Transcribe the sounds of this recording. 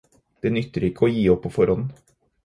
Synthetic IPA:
d̪̥eːnʏt̪ːəɾɪkʰːəoːjiːɔpʰːofɔɾɔnn̩

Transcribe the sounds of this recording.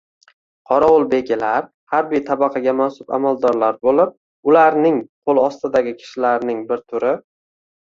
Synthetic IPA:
qʰɒɾaʊlˠbe̞ɡʲɪlaɾ | haɾbijt̪ʰabɑqʰɑɡʲamasʊpa̰malˠd̪ɒɾlaɾbolɪp̚ | ʊlaɾnɪŋqʰolˠɒst̪ɪd̪aɡʲɪkʲʰɪ̥ʃɪlaɾnɪŋbɪɾt̪ʰʊɾɪ

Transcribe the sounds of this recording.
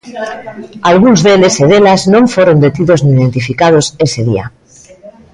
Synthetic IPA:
alɣunzðeleseðelaznõɱfoɾond̪et̪iðozniːðe̞nt̪ifikað̞oseseðḭa̰

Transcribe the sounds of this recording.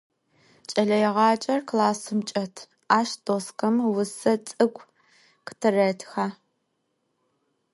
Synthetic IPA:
t͡ʃʼɐɮɐjɛʁɑːt͡ʃʼɐrklaːsɨmt͡ʃʼɐtʰ | aːʃdʼosqɐmwʊsɐt͡sʼɨɡʷʰʼ | qə̥tʰɨrɐtʰxaː

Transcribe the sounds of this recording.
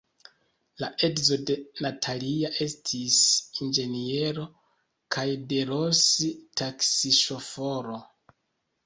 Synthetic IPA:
laʔe̞dzo̞de̞natʰaliaʔe̞stʰisind͡ʒe̞nie̞ɾo̞ | kʰajde̞ɾositaksiʃo̞fo̞ɾo

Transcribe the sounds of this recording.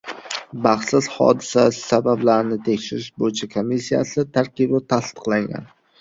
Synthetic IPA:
baχsɪz̥hɒ̰d̪ɪsasabablaɾnɪt̪ʰe̞kʲʃɪɾɪʃbojt͡ʃʰakʰomːisːija̰sɪt̪ʰaɾqɨbɪt̪ʰast̪ɨ̥qlˠaŋɡʲa̰n

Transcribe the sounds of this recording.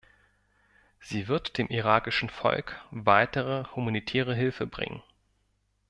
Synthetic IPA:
z̥iːvɪɐtd̥eːmʔiʁaːkɪʃn̩fɔ̰lkvaɪtəʁəhumanitʰɛːʁ̞əɦɪlfəbʁɪ̰ŋə̰n

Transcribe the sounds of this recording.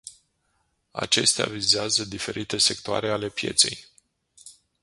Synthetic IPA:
a̰t͡ʃe̞st̪ea̰vizeazəd̪ife̞ɾʔit̪e̞se̞k̚t̪oa̰ɾe̞ale̞pje̞̰t̪se̞j

